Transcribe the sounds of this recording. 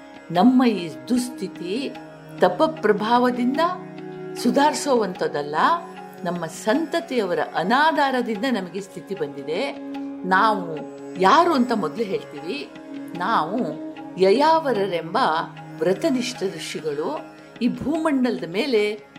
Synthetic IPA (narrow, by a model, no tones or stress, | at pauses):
nɐmːɐiːd̪ust̪ʰit̪i | t̪ɐpːɐpɾɐbʱaːʋɐd̪ind̪ɐsud̪ʱaːɾsoːʋɐnt̪ɐd̪ɐlːɐ | nɐmːɐsɐnt̪ɐt̪ɛjɐʋɐɾɐ̰ʔɐnaːd̪ʱaːɾɐd̪ind̪ɐnɐmɐɡest̪ʰit̪ibɐnd̪id̪e̞naːʋu | jaːɾuːɐnt̪ɐmɔd̪luɦe̞ːɭt̪iːʋi | naːʋujɐjaːʋɐɾɐɾembɐ | ʋɾɐt̪ɐniʂʈɐd̪ɾuʂiɡɐɭu | iːbʱuːmɐɳɖɐlɐd̪ɐme̞ːle̞